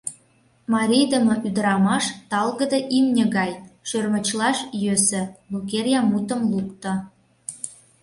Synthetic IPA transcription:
mɑɾʲijd̪əmə̆ʔyd̪əɾɑmɑʃt̪ɑlɣə̆d̪ɤʔimnʲə̆ɣɑjʃørmə̆t͡ɕlɑʃjøsə̆lukerʲjɑmut̪əmlukt̪ə̆

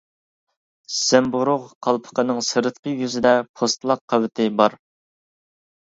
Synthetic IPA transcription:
sæmbʊɾʊʁqʰɑlˠpʰə̥qənɨŋsɨɾɨt̪qəjyzɪd̪ɛpʰost̪lˠɑqʰːɑwɪt̪ʰɪbɑɾ

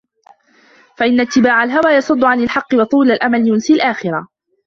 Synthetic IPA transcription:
faʔɪnːat̪ːɪbaːʕalɦawaːjɑsˤʊd̪ˤːʊʕanɪlħɑqːɨwɑt̪ˤuːlalʔamaljʊnsilʔaːxɪɾa

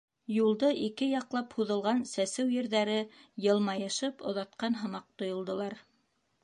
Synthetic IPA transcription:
julˠd̪ɤʔikɘjɑqlˠɑphuðɤ̆lˠʁɑnsæsɘwjɘ̆ɾðæɾɘjɤ̆lˠmɑjɤ̆ʃɤpŏ̰ðɑt̪̚qɑnɦɤ̆mɑq̚t̪ŏjŏlˠd̪ŏlˠɑɾ

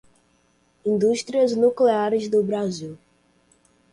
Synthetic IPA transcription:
ĩnd̪uʃt̪ɾiɐznukleaɾɪzd̪ʊbɾaziw

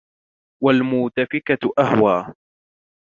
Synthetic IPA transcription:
walmuːt̪afɪkaʔahwaː

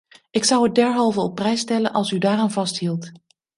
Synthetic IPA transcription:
ʔɪksʌwɦət̚dɛɹɦɑlˠvəɔpːrɛjstɛlənʔɑ̰lˠsydaːraːnvɑstɦilˠt

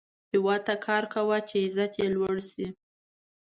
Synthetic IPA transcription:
hɪwɑd̪̚t̪akʰɑɾkawat͡ʃeɪzat̪jelwaɽsi

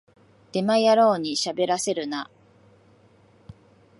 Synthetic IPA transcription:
d̪̥e̞majaɾo̞ːɲ̟iɕabe̞ɾase̞ɾɯ̟na

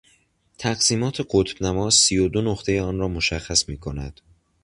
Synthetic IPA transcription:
t̪ʰæɡsiːmɒːt̪ʰe̞ɢot̪ʰb̥næmɒːzːijod̪onoxt̪ʰe̞jeɒːnɾɒːmoʃæxːæsmiːkʰo̞næ̰d̪̥

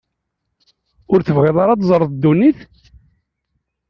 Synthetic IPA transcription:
ʊɾθəvʁiðˤɑɾˤɑt̪zˤəɾˤðˤd̪ːuniθ

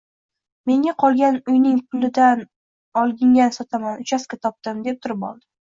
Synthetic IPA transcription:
me̞ŋʲaqʰɒlˠɡʲanʊjnɪŋpʰʊlɪd̪an | ɒlˠɡʲɪŋʲansɒt̪ʰamanʊt͡ʃʰaskʲat̪ʰɒp̚t̪ɪmd̪e̞p̚t̪ʰʊɾɪpɒ̰lˠd̪ɪ

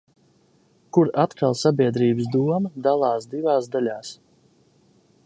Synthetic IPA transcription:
kuɾat̪kʰalˠsabʲiɛd̪ɾiːbəsd̪uɔməd̪alˠɑːsd̪ivaːsd̪alʲaːs

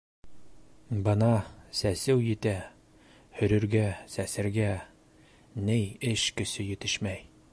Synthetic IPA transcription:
bɤ̆nɑsæsɘwjɘ̆t̪æ | hɵ̆ɾɵ̆ɾɡæsæsɘ̆ɾɡæ | nɘjɘʃkɵ̆sɘjɘ̆t̪ɘʃmæj

